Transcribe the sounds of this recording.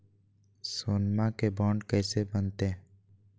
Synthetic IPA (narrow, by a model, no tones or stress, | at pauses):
soːnmakebɔ̃ːɳɖkɛːsebənt̪ẽ